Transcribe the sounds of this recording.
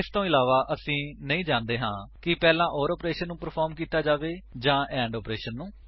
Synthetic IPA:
ɪst̪õːɪlaːʋaːʔəsĩːnəĩːd͡ʒãːnd̪eːɦãːkɪpɛːlãːʔɔːɾɔːpɾeːʃənːũːpəɾpʰɔːɾmkiːt̪aːd͡ʒaːʋeːd͡ʒãːʔɛ̃ːɳɖɔːpɾeːʃənːũː

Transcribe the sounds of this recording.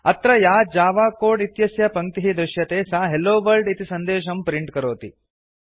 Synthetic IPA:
ɐt̪ɾɐjaːd͡ʒaːʋaːkoːɖit̪jɐsjɐpɐŋt̪iɦid̪ɾuʃjɐt̪eːsaːɦeloːʋɐlɖit̪isɐnd̪eːʃ̬ɐmpɾiɳʈkɐɾoːt̪i

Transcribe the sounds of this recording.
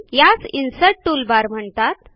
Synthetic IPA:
jat͡sinsəʈʈulbaɾm̤əɳt̪at̪

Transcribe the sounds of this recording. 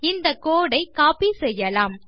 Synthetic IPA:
ɪnd̪ɐkːoːɽɐɪkaːpisɛjːɐlaːm

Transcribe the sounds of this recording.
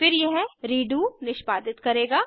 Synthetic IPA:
fɪɾjɛɦɾiːɖuːnɪʃpaːd̪ɪt̪kɐɾeːɡaː

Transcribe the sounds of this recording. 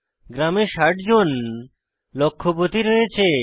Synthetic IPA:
ɡɾameʃaʈd͡ʑon | lokʰːobot̪iɾojet͡ɕʰe

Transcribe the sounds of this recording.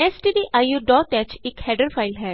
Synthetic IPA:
ɛsʈiːɖiʔaːjuɖɔːʈɛːt͡ʃɪkhɛːɖəɾpʰaːɪlɦɛː

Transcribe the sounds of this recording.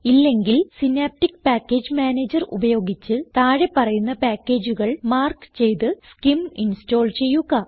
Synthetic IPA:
ilːe̞ŋɡilsinaːp̚ʈikːpaːkːe̞ːd͡ʑmaːne̞ːd͡ʑɐrṵbɐjo̞ːɡit͡ɕːɨt̪aːɻe̞pːɐrɐjunːɐpaːkʲːe̞ːd͡ʑuɣɐɭmaːrkt͡ɕe̞jt̪ɨskiminsto̞ːlt͡ɕe̞jːuɣɐ

